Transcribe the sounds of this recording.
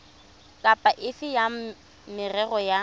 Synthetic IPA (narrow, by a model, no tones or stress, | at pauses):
kʼapʼaʔɪfɪja | mɪrɛɣɔja